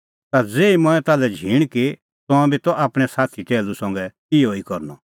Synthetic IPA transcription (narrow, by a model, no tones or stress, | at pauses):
t̪ad͡zeːimɔ̃ɛ̃t̪aːlɛd͡ʒʱiːɽ̃ki | t̪ɔ̃ãbit̪ɔʔaːpɽ̃ɛsaːt̪ʰit̪ɛːlusɔ̃ŋɡɛ | ɪoikɔɾnɔ